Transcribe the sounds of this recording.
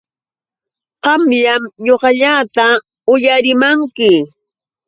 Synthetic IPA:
ɢɑmʎamɲoɢɑʎaːt̪a | ʊjaɾɪmaŋkɪ

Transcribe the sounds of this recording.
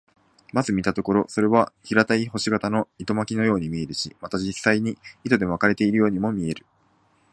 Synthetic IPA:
mazɨmʲit̪at̪o̞ko̞ɾo̞so̞ɾe̞βaçiɾat̪aiɦo̞ɕiɡat̪ano̞it̪o̞makʲino̞jo̞ːɲ̟imʲie̞ɾɯ̟ɕḭmat̪ad͡ʑisːaiɲ̟iit̪o̞d̪e̞akaɾe̞t̪e̞iɾɯ̟jo̞ːɲ̟imo̞mʲie̞ɾɯ̟

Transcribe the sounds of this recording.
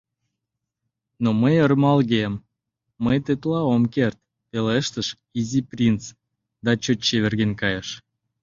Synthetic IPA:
noməjərmɑlɣemː | əjt̪et̪lɑomkert̪̚ | peleʃt̪əʃ | iziprʲint͡s | d̪ɑt͡ɕot͡ɕːeβerɣenkɑjəʃ

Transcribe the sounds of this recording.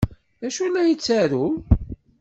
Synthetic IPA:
ðæʃulːæjət͡sːæɾu

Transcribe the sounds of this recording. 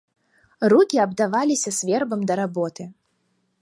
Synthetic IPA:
rukʲiɐbd̪avalʲisʲɐsʲvʲɛrbɐmd̪ɐɾabɔt̪ɨ

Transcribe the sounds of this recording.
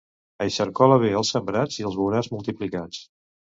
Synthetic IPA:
əjʃəɾkɔləβeəlˠsːəmbɾad͡ziəlˠzβuɾazmulˠt̪iplikat͡s

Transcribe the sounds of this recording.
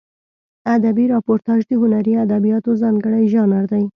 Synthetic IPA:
ad̪abiɾɑpoɾt̪ɑʒd̪əɦʊnaɾiad̪abijɑt̪ozɑŋɡəɽajʒɑnaɾd̪aj

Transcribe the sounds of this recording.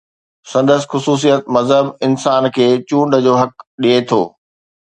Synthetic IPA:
sɐ̃nd̪əsɪ̥̆xʊsuːs̬ijət̪̚mɐzɦəbɪnsaːnkʰeːt͡ɕũːɳɖəd͡ʑoːɦɐk̚ɗiet̪ʰo̰ː

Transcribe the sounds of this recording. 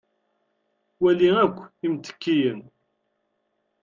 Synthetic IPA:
wæliækʷːimt̪ə̥kːijən

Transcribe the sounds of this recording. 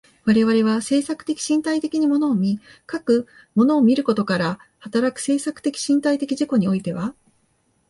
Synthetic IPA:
βaɾe̞βaɾe̞β̞ase̞ːsakɯ̥t̪e̞kʲi̥ɕĩnt̪ait̪e̞kʲiɲ̟imo̞no̞ːmʲikakɯ̟ | mo̞no̞ːmʲiɾɯ̟ko̞t̪o̞kaɾahat̪aɾakɯ̟̥se̞ːsakɯ̟̥t̪e̞kʲi̥ɕĩnt̪ait̪e̞kʲiʑiko̞ɲ̟io̞it̪e̞βa

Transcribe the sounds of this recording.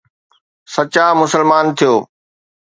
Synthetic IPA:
sɐt͡ɕamʊsəlmaːnt̪ʰijoː

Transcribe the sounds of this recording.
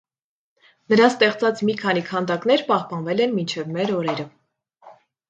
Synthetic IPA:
nəɾɑst̪ɛχt͡sɑt͡smikʰɑnikʰɑnd̪ɑkn̪ɛɾpɑhpɑnvɛlɛnmint͡ʃʰɛvmɛɾɔɾɛɾə

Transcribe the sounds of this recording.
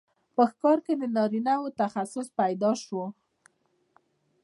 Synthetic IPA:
pəxkɑɾked̪ənɑɾinawot̪axasʊspajd̪ɑʃwo

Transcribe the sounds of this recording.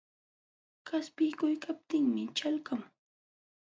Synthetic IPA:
kaspɪjkʊjkap̚t̪ɪŋmɪt͡ʃalkaŋ

